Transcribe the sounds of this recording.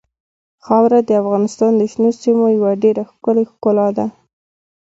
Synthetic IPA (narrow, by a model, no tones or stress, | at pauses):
xɑwɾad̪əafɣɑnɪst̪ɑnd̪əʃnosimojawaɖeɾaxkəlexkʊlɑd̪a